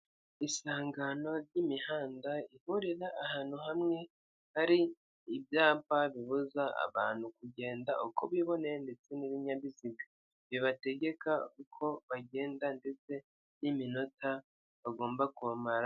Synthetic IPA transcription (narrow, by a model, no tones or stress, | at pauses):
isaːŋɡano̞ɾɟimihaːndaihuɾiɾaʔːhaːn̥huhamŋe̞ | haɾiː | bjaːpaβiβuzaa̰βa̰ːn̥hukuɟe̞ːndaʔukoβiβo̞ne̞nde̞t͡se̞niβiɲaβiziɡa | βiβate̞ɟe̞kakukʰo̞βaɟe̞ːndande̞t͡se̞ | nimino̞tʰa | βaɡo̞ːmbakuβamaɾa